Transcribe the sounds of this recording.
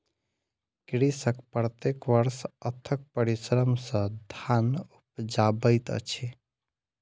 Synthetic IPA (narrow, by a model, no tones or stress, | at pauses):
kɾisəkpɾət̪ekʋəɾsət̪ʰək̚pəɾisɾəmsə̃d̪ʱanup̚d͡ʒabəjt̪ə̰t͡ʃʰi